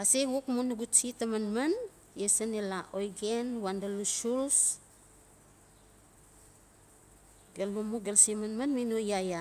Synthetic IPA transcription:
aseɡukmunuɡut͡ʃitamanman | jesanelaʔojɡenwandalusuls | ɡelːumuɡelsimanmanminojaja

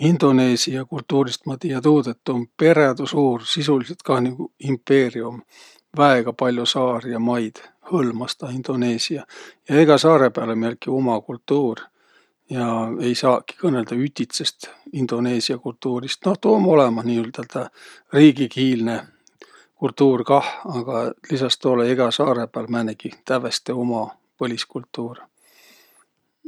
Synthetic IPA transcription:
ind̪̥o̞ne̞ːsiɑkult̪ːuːɾist̪mɑt̪iːjɑt̪uːd̪̥et̪ːompe̞ɾed̪usuːrsisuliset̪kɑhniɡ̥uimpːe̞ːrium | væeɡ̥ɑpɑlʲjosɑːrjɑmɑjd̪̥ | hɤlmɑst̪ɑind̪̥o̞ne̞ːsiɑjɑeɡ̥ɑsɑːɾe̞peɑlemiælkiomɑkult̪ːuːr | jɑe̞jsɑːkːi̥kɤne̞ld̪̥ɑyt̪ʲit̪se̞st̪ind̪̥o̞ne̞ːsiɑkult̪ːuːɾist̪no̞ht̪oːmo̞lemɑsniːylt̪ælt̪ɑ | riːɡikiːlne̞ | kult̪ːuːrkɑhɑɡ̥ɑlisɑst̪oleeɡ̥ɑsɑːɾe̞peælmænekit̪ævest̪eomɑ | pɤlʲiskult̪ːuːr

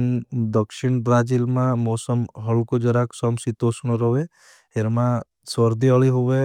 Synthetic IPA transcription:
nd̪ɔkʃiɳbɾad͡ʒilmãmoːsɔmɦəɭkod͡ʒɔɾaksɔmsit̪osuñɔɾɔʋe | eɾmã | sɔɾd̪iɔɭiɦoʋe

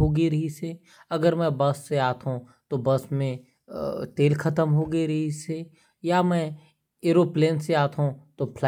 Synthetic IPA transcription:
ɦoːɡeɾɐɦise | ɐɡəɾmɛ̃bɐsːeaːt̪ʰɦũ | t̪obəsmẽ | t̪eːlkʰɐt̪əmɦoːɡeɾɐɦise | jamɛ̃ | eːɾoːpleːnseaːt̪ʰɦũt̪opʰla

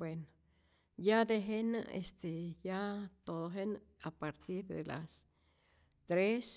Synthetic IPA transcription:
bweno | jad̪eɦena̰ḛst̪ejat̪od̪oɦen | apaɾt̪iɾd̪ḛla̰s | t̪ɾes

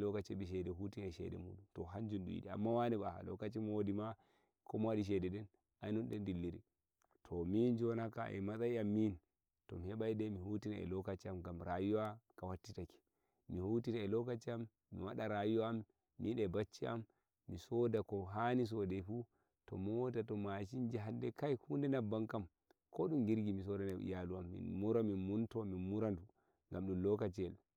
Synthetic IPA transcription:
lɔkat͡ʃɛɓiʃ̬ɛdɛɦutinɛʃɛ̰dɛ̰mṵːɗuntɔɦaɲd͡ʒunɗṵjḭɗia̰mːawanɛɓaha̰lɔ̰kat͡ʃimodima | kɔmwaɗiʃ̬ɛdɛɗɛn | ajnɔnɗɛndilːiɾḭ | tʰɔmind͡ʒɔnakaʔɛ̰masajamːin | tɔmihɛɓajdɛmihutinaɛ̰lɔkat͡ʃiamɡamɾajuwakawatːitaki̥ | mihotinaɛlɔkat͡ʃiamː | ḭwaɗaɾajuwaːmː | iɗɛbat͡ʃːia̰mː | isɔdakɔɦanis̬ɔdɛfu | tɔ̰mɔtatɔmaʃind͡ʒiɦandɛkajhundɛnabːaŋkam | kɔɗumɡiɾɡimis̬ɔdanaḭjaluamːḭnmuɾaminmuntɔmimuɾandu | ŋɡamɗumlɔkat͡ʃɛl

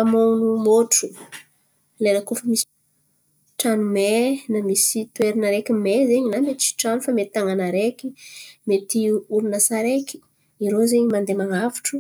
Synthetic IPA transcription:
amonumoʈ͡ʂu | lenəkofəmisi̥ | ʈ͡ʂanumenamisit̪weɾinəɾekʲimezeɲinamet̪t͡ʃi̥ʈ͡ʂanufamet̪aŋanaɾekimet̪iuɾunəsaɾeki̥ | iɾozeɲimand̪emaŋavi̥ʈ͡ʂu̥

